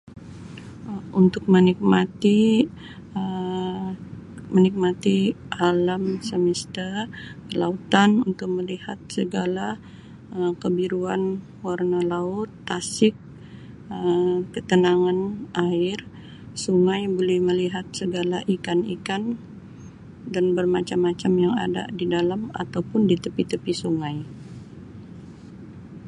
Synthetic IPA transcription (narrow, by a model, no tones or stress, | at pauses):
unt̪ʊk̚mənik̚mat̪i | ə | mənik̚mat̪ialamsəmist̪ərəla̰ut̪anunt̪ʊk̚məlihat̪̚səɡala | əkəbiɾuan | warnalaʊt̪ːasɪk̚ | əkət̪ənaŋanʔaɪr | suŋajbolɛhməliɦat̪̚səɡalaʔikanḭkan | danbərmat͡ʃamːat͡ʃamjaŋa̰da̰didalama̰t̪awpʊndit̪əpit̪əpisuŋaj